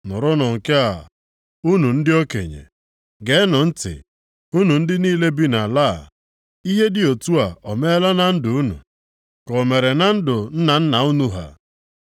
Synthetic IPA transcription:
nʊ˨ɾʊ˦nɔ˨ŋ̩˨ke˦a̰˨ | u˦nu˨n̩˦dɪ˦o˦kḛ˨ɲḛ˨ | ɡe˨˦nʊ˨n̩˦tɪ̰˨ | u˦nu˨n̩˦dɪ˦niː˦le˦bi˦na˨la̰˦˨ | i˦ɦe˦dɪ˦o˨tu˦a˨ɔ˨me˦la˦na˦n̩˦dʊ˨u˦nṵ˨ | kɔ˨me˨ɾe˨na˦n̩˦dʊ˨n̩˦na˨n̩˦na˨u˦nu˦ɦa̰˨

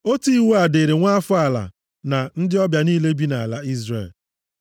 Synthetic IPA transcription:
o˦ti˦i˦wu˦a˨de˨ɾe˨ŋʷa˦fʊ˦a˦˨la̰˨ | na˨n̩˦dɪ˦ɔ˦bja˨niː˦le˦bi˦na˨a˨la˦i˦zrḛ˨l

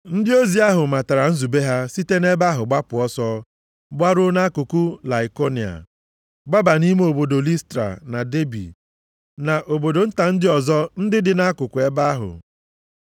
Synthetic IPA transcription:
n̩˦dɪ˦o˦zi˦a˦ɦʊ˨ma˨ta˨ɾa˨n̩˦zu˨be˦ɦa˦si˦te˦ne˦ba˦ɦʊ˨ɡ͡ba˦pʊ˨ɔ˦sɔ˦ | ɡ͡ba˦ɾʊ˦na˦kʊ˨ku˦la˨i˨ko˦ni˨a̰˨ | ɡ͡ba˦ba˨ni˦me˦o˨bo˨do˨li˦stɾa̰˨na˨de˦bḭ˨ | na˨ʔo˨bo˨do˨n̩˦ta˨n̩˦dɪ˦ɔ˨zɔ˦n̩˦dɪ˦dɪ˨na˦kʊ˨kʊ˨e˦ba˦ɦʊ̰˨

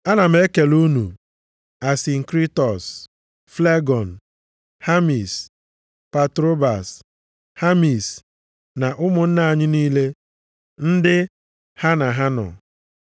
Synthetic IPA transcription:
a˦na˨m̩˦e˦ke˨lu˦nu˨ | a˨sɪ˨ŋ̩˨kɾi˦tɔ˨s | fle˦ɡɔ˨n̩˨ | ha˦mi˨s | pa˨tɾo˦ba˨s | ha˦mi˨s | na˨ʔʊ˦mʊ˨n̩˦na˨a˨ɲɪ˦niː˦le˦ | n̩˦dɪ˦ | ha˦na˨ɦa˦nɔ̰˨

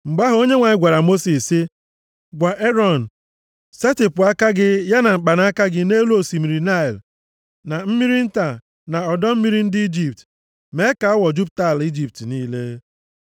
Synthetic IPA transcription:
ŋ͡m̩˨ɡ͡ba˦ɦʊ˨o˦ɲe˦ŋʷa˨ɲɪ˦ɡʷa˨ɾa˨mo˦si˨sɪ˦ | ɡʷa˨ʔe˦ɾɔ˨n̩˨ | se˦ti˨pʊ˨a˦ka˦ɡɪ˦ja˦na˨ŋ͡m̩˨k͡pa˨na˦a˦ka˦ɡɪ˦ne˦lu˦o˨si˨mi˨ɾi˨na˦ɪ˨l | na˨m̩˦mi˦ɾi˦n̩˦ta˨ | na˨ɔ˨dɔ˦m̩˦mi˦ɾi˦n̩˦dɪ˦i˦d͡ʒi˨p̚t | me˨˦ka˨ɔ˦wɔ˨d͡ʒu˦p̚ta˦˨li˦d͡ʒi˨p̚tniː˦le˦

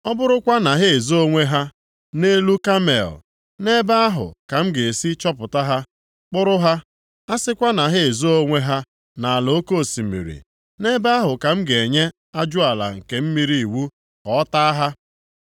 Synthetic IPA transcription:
ɔ˦bʊ˦ɾʊ˦kʷa˦na˨ɦe˦e˨zo˦o˦ŋʷe˦ɦa˦ | ne˦lu˦ka˦mḛ˨l | ne˦ba˦a˦ɦʊ̰˨ka˨m̩˦ɡe˨e˨si˦t͡ʃɔ˦pʊ˨ta˦ɦa˦ | k͡pʊ˦ɾʊ˦ɦa˦ | a˦sɪ˦kʷa˦na˨ɦe˦e˨zo˦o˦ŋʷe˦ɦa˦ | na˨a˨lo˨˦ko˦˨si˨mḭ˨ɾḭ˨ | ne˦ba˦a˦ɦʊ˨ka˨m̩˦ɡe˨ɲe˦ | a˦d͡ʒʊ˦a˨la̰˨ŋ̩˨ke˨m̩˦mi˦ɾi˨i˨wu˦ | kɔ˨˦ta˦ɦa˦

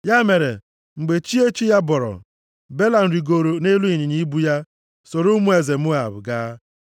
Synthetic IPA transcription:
ja˦me˨ɾḛ˨ | ŋ͡m̩˨ɡ͡be˨t͡ʃi˦e˦t͡ʃi˦ja˦bɔ˨ɾɔ̰˨ | be˦la˨n̩˨ɾi˨ɡo˨ɾo˨ne˦lu˦i˨ɲi˨ɲi˦bu˦ja˦ | so˨ɾu˦mu˦e˨ze˨mʊ˦a˨bʊ̰˨ɡaː˦

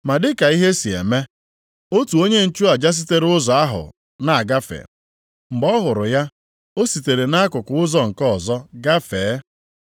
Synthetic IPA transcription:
ma˨dɪ˦ka˨i˦ɦe˦si˨ḛ˨me˦ | o˦tu˨o˦ɲe˦n̩˨t͡ʃu˦a˨d͡ʒa˦s̬i˦te˦ɾʊ˦zɔ˨a˦ɦʊ̰˨ | na˨a˨ɡa˦fḛ˨ | ŋ͡m̩˨ɡ͡bɔ˦ɦʊ˨ɾʊ˨ja˦ | o˦si˨te˨ɾe˨na˦kʊ˨kʊ˨ʊ˦zɔ˨ŋ̩˨kɔ˦˨zɔ˦ɡa˦feː˨˦

